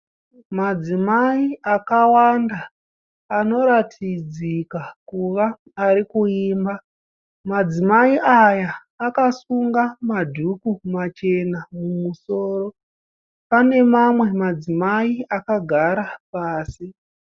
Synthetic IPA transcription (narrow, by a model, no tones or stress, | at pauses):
mad͡zimaiakawandaː | no̞ɾatʰid͡zikakuʋaː | ɾikuiːmba | mad͡zimaiʔajaː | kasuŋɡamadʱukumat͡ʃe̞namumuso̞ːro̞ | pane̞mamwe̞mad͡zimaiakaɡʱaɾapaːsi